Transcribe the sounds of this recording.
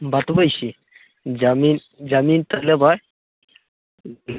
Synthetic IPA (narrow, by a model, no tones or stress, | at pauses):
bat̪bəjɕi | d͡zamiːn | d͡zamiːnt̪əlabaj